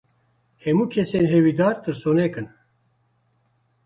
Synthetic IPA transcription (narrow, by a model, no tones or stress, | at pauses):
hɛmuːkʰɛseːnɦɛwiːd̪aːɾt̪ɨɾsoːnɛkɨn